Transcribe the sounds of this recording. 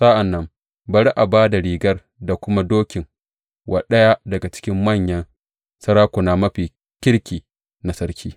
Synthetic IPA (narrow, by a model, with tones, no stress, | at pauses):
sa˦ʔa˨nːɐ˦m | bɐ˨ɽi˦ʔa˨baː˦da˨ɾiː˨ɡɐ˦r | da˨kʷʊ˦ma˦doː˦kʲɪ˨ŋ | wʔa˨ɗɐ˦ja˦dɐ˨ɡa˨t͡ʃɪ̥˦kʲɪ˦mːɐ˦˨ɲjɐ˦n | sɐ˦ɾaː˦kʷʊ˨na˨mɐ˦ɸiː˨ | kʲɪ˦ɽkʲiː˨ | na˨sɐ˦ɾkʲʰiː˦